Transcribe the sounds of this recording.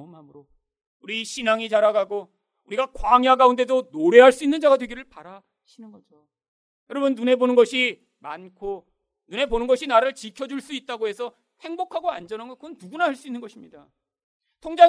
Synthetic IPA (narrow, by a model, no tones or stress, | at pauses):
mamɯɾo | uɾiɕʰinaŋit͡ɕaɾaɡaɡo | uɾiɡakwaŋjaɡaunde̞donoɾe̞ɦaɭs͈uinːɯnd͡ʑaɡadwe̞ɡiɾɯɭpaɾa | ɕʰinɯnɡʌd͡ʑo | jʌɾʌbɯnːune̞bonɯnɡʌɕʰi | mankʰo | nune̞bonɯnɡʌɕʰinaɾɯɭt͡ɕikʰjʌd͡ʑuɭs͈uit̚t͈aɡoɦe̞sʰʌ | he̞ŋbokʰaɡoand͡ʑʌnanɡʌkɯɡʌnduɡunaɦaɭs͈uinːɯnɡʌɕʰimɲida | tʰoŋd͡ʑa